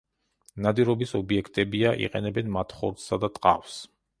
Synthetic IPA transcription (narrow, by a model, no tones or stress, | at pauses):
nad̪iɾɔbisɔbiɛkʰt̪ʼɛbiaʔḭqʼɛ̰nɛbɛnmat̪ʰχɔ̰ɾt̪ssad̪at̪ʼqʼa̰fs